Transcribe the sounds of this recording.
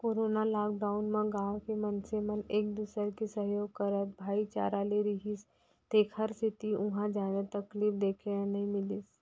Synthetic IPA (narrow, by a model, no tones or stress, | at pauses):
koːɾonalaːkɖaʊnmə̃ɡãwkemənseməneːk̚d̪uːsəɾkisəɦjoːɡ̚kəɾət̪̚bʱaːit͡ʃa̰ːɾaleɾiɦis | t̪eːkʰəɾsit̪iʊɦãd͡ʒaːnet̪əkliːfd̪eːkʰeanɐɦĩmɪlis